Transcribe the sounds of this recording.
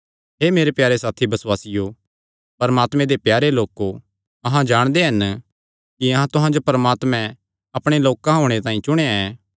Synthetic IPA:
ɦeːmeːɾepjaːɾesaːt̪ʰibɐsʊwaːsɪjo | pɐɾmaːt̪mɛ̃d̪epjaːɾeloːko | ɐɦãd͡ʒaːɽ̃d̪eɦɐn | kiɐɦãt̪ʊɦãd͡ʒopɐɾmaːt̪mɛ̃ | ɐpɽ̃eloːkãɦoːɽ̃et̪ãːĩt͡ʃʊɽ̃eaɛː

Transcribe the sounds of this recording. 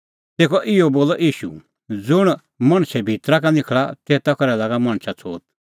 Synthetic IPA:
t̪eːkɔʔɪɔboːlɔʔiːʃṵ | d͡zʊɽ̃ | mɐ̃ɽ̃sɛbʱit̪ɾakanɪkʰɭat̪ɛːt̪ɐkɔɾɛlaːɡamɐ̃ɽ̃sʰat͡sʰo̰ːt̪

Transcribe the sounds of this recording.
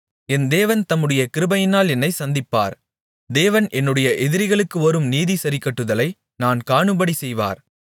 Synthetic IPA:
ɛnd̪eːʋɐnt̪ɐmːɯɽɐjɐkɪɾɯbɐjɪnaːlɛnːɐɪsɐnd̪ɪpːa̰ːɾ | d̪eːʋɐnʔɛnːɯɽɐjɐʔɛðɪɾɪɣɐɭɯkːɯɔɾɯmniːðisɐɾɪkːɐʈːɯðɐlɐɪ | naːnkaːɳɯbɐɽisɛjʋa̰ːɾ

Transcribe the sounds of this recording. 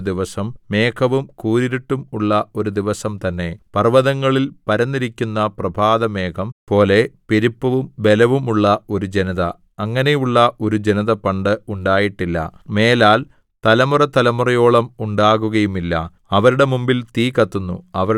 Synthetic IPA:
d̪iʋɐsɐmːe̞ːkʰɐʋumkuːɾiɾiʈːumuɭːɐo̞ɾud̪iʋɐsɐmt̪ɐnːe̞pɐrʋɐðɐŋːɐɭilpɐɾɐnːiɾikʲːunːɐprɐbʱaːðɐme̞ːkʰɐmpo̞ːle̞piɾipːɐʋumbe̞lɐʋumuɭːɐo̞ɾud͡ʑe̞niðɐː | ŋːɐne̞juɭːɐʔo̞ɾud͡ʑenɐðɐpɐɳɖɨuɳɖaːjiʈːilːɐ̰me̞ːlaːl | t̪ɐlɐmurɐt̪ɐlɐmurɐjo̞ːɭɐmuɳɖaːɣuɣɐjumilːɐ̰ | ɐʋɐɾuɽe̞mumbilt̪iːkɐt̪ːunːṵɐʋɐɾ

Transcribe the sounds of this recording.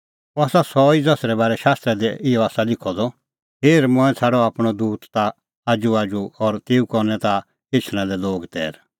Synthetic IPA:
aːsasɔid͡zɐsɾɛbaːɾɛʃaːst̪ɾɛd̪ɛɪjɔaːsalɪkʰɔd̪ɔ | peːɾmɔ̃ɛ̃t͡sʰaːɽɔaːpɽ̃ɔd̪uːt̪t̪aː | d͡ʒuaːd͡ʒuɔɾt̪eːukɔɾnɛt̪a | ɪt͡ʃʰɽ̃ãlɛloːɡt̪ɛ̰ːɾ

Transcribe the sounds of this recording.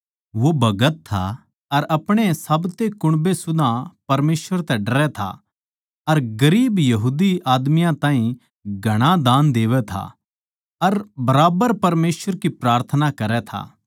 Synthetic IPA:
ʋobɐɡət̪ʰːa̰ | ɐɾɐpɽ̃esɐbt̪ekʊɽ̃besʊd̪ʱãpɐɾmeːsʋəɾt̪ɛɖɐɾɛt̪ʰa̰ | ɐɾɡɐɾiːbjɐɦuːd̪iaːd̪mijãt̪ãːɦĩ | ɡʱɐɽ̃ad̪ãːnd̪eːʋɛt̪ʰa̰ | ɐɾbɐɾaːbəɾpɐɾmeːsʋəɾkipɾaːɾt̪ʰənakɐɾɛt̪ʰa̰ː

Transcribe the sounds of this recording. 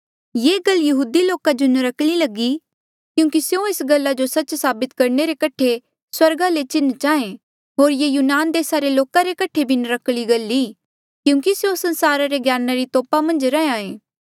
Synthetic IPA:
jeːɡɐlːjɐɦuːd̪iloːkad͡ʒonəɾɐkɽ̃ilɐɡi | kjũːkisjõeːsɡɐlːad͡ʒosɐtːt͡ʃsaːbɪt̪kɐɾneɾekɐʈʰe | swɐɾɡalet͡ʃɪnt͡ʃaːẽ | ɦoːɾjejuːnaːnd̪eːsaɾeloːkaɾekɐʈʰebʱinɾɐkɽ̃iɡɐlːi | kjũːkisjõsɐ̃nsaːɾaɾeɡjaːnaɾit̪oːpamɐ̃nd͡ʒɾɛẽãːẽː

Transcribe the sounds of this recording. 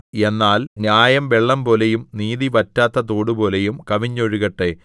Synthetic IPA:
e̞nːaːlnjaːjɐmʋeɭːɐmpo̞ːle̞jumniːðiʋɐtːaːt̪ːɐt̪̬oːɽupo̞ːle̞jumkɐʋiɲːoɻuɣɐʈːe̞

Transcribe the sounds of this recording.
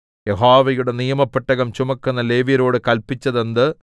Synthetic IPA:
jeɦoːʋɐjuɽe̞nijɐmɐpːeʈːɐɣɐmt͡ɕumɐkːunːɐle̞ːʋiɾoːɽɨkɐlpːit͡ɕːɐðend̪ɨ

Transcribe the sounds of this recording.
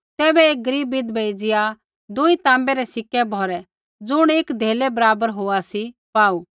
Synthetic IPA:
t̪ɛːbɛeːk̚ɡəɾiːbːɪd̪bʱeɪd͡zɪja | d̪ʊit̪ãːmbɛɾɛsɪkːɛbʱɔːɾɛ | d͡zʊɽ̃eːkd̪ʱeːlɛbɐɾaːbəɾɦoːasipaːu

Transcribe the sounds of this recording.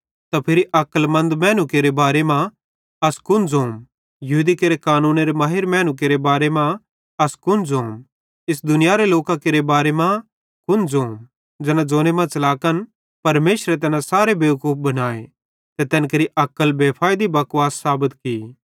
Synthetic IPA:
t̪apʰɪɾiʔɐkəlmɐ̃nd̪mɛːnukeɾebaːɾemã | ɐskʊnd͡zõːm | jɐɦuːd̪ikeɾekaːnũːneɾemaːɦɪɾmɛ̃ːnuk̬eɾebaːɾemã | ɐskʊnd͡zoːm | ɪs̬d̪ʊnɪjaɾeloːkãkeɾebaːɾemã | kʊnd͡zoːm | d͡ʒɐnãd͡ʒõːnemãt͡ʃɐlaːkən | pɐɾmeːʃɾet̪̬ɛːnãsaːɾebeːʋkuːp̚ʰbɐnaːe | t̪ɛt̪ɛːnkɐɾiʔɐkəlbeːpʰaːd̪ibɐkʊwaːsːaːbət̪ki

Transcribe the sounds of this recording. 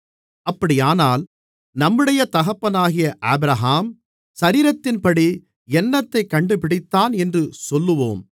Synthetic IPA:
ɐpːɐɽɪjaːnaːl | nɐmːɯɽɐjɐt̪ɐɣɐpːɐnaːɣɪjɐʔaːbɪɾɐɦaːm | sɐɾiːɾɐt̪ːɪnpɐɽi | ɛnːɐt̪ːɐɪkːɐɳɖɯpɪɽɪt̪ːaːnɛndrɯsɔlːɯʋoːm

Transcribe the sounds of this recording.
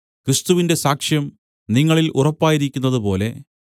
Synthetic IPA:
kɾist̪uʋinde̞saːkʂjɐm | niŋːɐɭilʔurɐpːaːjiɾikʲːunːɐðupo̞ːle̞

